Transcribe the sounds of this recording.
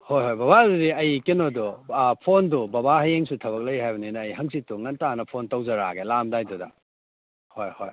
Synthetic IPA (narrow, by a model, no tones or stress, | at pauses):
hojɦojbaβadudiɐjkinodupʰondubɐbaɦɐjeŋsutʰɐβɐk̚lɐjɦajbɐninɐːjɦɐŋsituŋɐntanɐpʰontɐwzɐɾa̰ɡelamdajdudɐ | hojhoj